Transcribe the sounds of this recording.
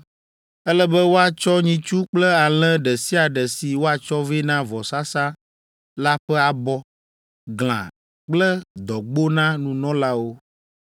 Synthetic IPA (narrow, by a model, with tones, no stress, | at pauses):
ɛ˦lɛ˦bɛ˦wo˦a˨t͡ʃɔ˦ɲĩ˦t͡ʃu˦k͡plɛ˦a˨l̃ɛ̃˦ɖɛ˨si˦a˨ɖɛ˨si˨wo˦a˨t͡ʃɔ˦vi˦nã˦vɔ˨sa˦sã˦ | la˦ɸɛ˦a˨bɔ˦ | ɡl̃ã̰˨ | k͡plɛ˦d̪ɔ˨ɡ͡bo˦nã˦nũ˨nɔ̃˦la˦wo˦